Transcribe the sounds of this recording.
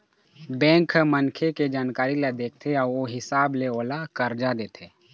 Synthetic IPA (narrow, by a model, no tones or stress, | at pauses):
bɛ̃ːŋkmənkʰeked͡ʒaːnkaːɾilad̪eːk̚ʰt̪ʰeaːɾoɦɪsaːbleoːlakəɾd͡ʒad̪eːt̪ʰeː